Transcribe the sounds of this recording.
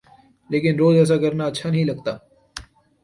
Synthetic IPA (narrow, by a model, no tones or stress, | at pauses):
leːkɪnɾoːzɛːs̬akɐɾnaɐtːʃʰanɐɦĩlɐɡ̚t̪aː